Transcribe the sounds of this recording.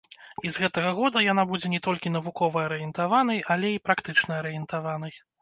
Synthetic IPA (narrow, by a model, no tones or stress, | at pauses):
izɣɛt̪ɐɣɐɣɔd̪ɐjanabud͡zʲɛnʲɛt̪ɔlʲkʲin̪ɐvukɔvɐɐɾɨjɛnt̪avan̪ɐjʔalʲɛipɾakt̪ɨt͡ʂnɐɐɾɨjɛnt̪avan̪ɐj